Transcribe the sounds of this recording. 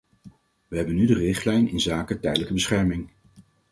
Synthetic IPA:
ʋəɦɛbənydərɪχtlɛjnɪnzaːkətɛjdələkəbəsχɛɹmɪŋ

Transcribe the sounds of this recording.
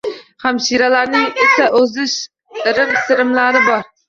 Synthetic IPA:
χamʃiɾalaɾnɪŋɪsaʔɵzɪʃ | ɪɾɪmsɪɾɪmlaɾɪbɒɾ

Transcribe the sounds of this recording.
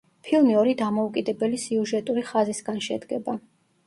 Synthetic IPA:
pʰilˠmiɔɾid̪amɔukʼid̪ɛbɛlisiuʒɛt̪ʼuɾiχazisɡanʃɛ̰d̪ɡɛba

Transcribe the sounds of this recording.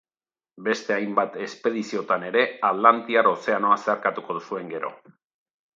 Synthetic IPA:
be̞st̪e̞ajmbat̪e̞spe̞ð̞isio̞t̪ane̞ɾe̞aðlant̪iaɾo̞se̞ano̞ase̞aɾkat̪uko̞ðusue̞ŋɡe̞ɾo̞̰

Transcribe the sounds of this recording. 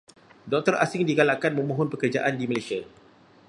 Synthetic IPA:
dɔk̚t̪ərʔasɪŋdiɡalakanmə̃mõɦɔnpəkərd͡ʒaʔandiməlasia

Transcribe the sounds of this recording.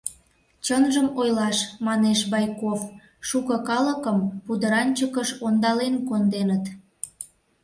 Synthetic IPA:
t͡ɕənʒəmojlɑʃmɑneʃbɑjkof | ʃukəkɑləkəmpud̪əɾɑnʲt͡ɕəkəʃond̪ɑlenkond̪enət̪

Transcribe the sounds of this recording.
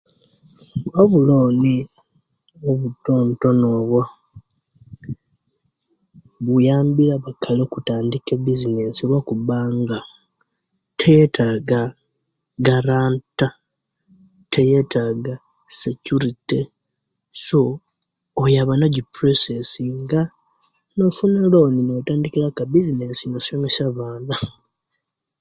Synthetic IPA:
ɡoβuloːni | oβutːoːnto̞no̞ːβwa | βujaːmbiɾaβakʰalokutaːndikebizinesiɾwakuβaːŋɡa | tʰejetʰaɡa | ɡaɾaːnta | tʰeje̞tʰaɡa | secuɾite | so̞ː | jaβanoɟipɾosesiŋɡa | nofunaloninotaːndikiɾakabizinesinosomesaβaːna

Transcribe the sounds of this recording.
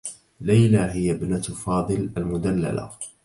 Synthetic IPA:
lajlaɦɪjabnat̪fɑːd̪ˤɨlʔalmʊd̪alːa̰la̰

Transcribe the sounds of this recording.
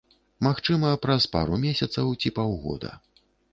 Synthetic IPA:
maxt͡ʂɨmɐpɾɐspa̰ɾumʲesʲɐt̪sɐwt͡sʲipawɣɔ̰d̪ɐ̰

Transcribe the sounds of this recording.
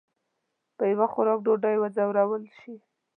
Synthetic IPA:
pəjawaxʊɾɑk̚ɖoɖajwad͡zawɾawəlʃi

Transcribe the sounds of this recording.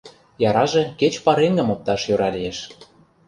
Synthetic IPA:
jɑɾɑʒĕket͡ɕpɑɾeŋɡə̆mop̚t̪ɑʃjøɾɑlijeʃ

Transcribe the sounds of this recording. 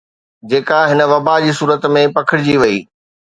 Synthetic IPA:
d͡ʑeːkaɦɪnə̆ʋɐbad͡ʑiːsuːɾət̪mẽpɐkʰɪɽɪd͡ʑiʋɐḭː

